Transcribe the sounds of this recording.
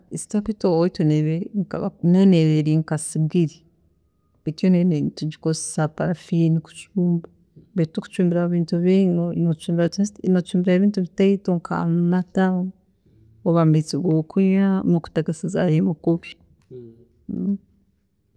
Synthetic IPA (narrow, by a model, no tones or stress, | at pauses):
isi̥tapitoitoneβeɾiŋkaβanoneβeɾiŋkasibɡiɾi | itjonenetuɟikose̥sapaɾafiniku̥t͡ʃuːmba | betuku̥t͡ʃuːmbiɾaβiːntuβiŋonot͡ʃuːmbiɾanot͡ʃuːmbiɾaeβiːntuβitaitoŋkʰa̰mnata | oβambit͡siɡokʰuɲanuku̥taɡesiza̰jemukuβja